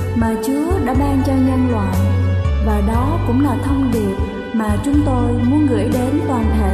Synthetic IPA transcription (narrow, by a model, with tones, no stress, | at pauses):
maː˨˩t͡ɕu˨˦əɗa̰ː˧˥ɓaː˧ŋt͡ɕɔ˧ɲə˧nlwa̰ː˧˨jvaː˨˩ɗɔ˨˦kʊ̰˧˥ŋ͡mlaː˨˩t̪ʰə˧wŋ͡mɗi˨˩əp̚ | maː˨˩t͡ɕʊ˨˦ŋ͡mt̪o˧jmu˨˦ənɣɨ̰˧˩əjɗe˨˦nt̪waː˨˩nhḛ˧˨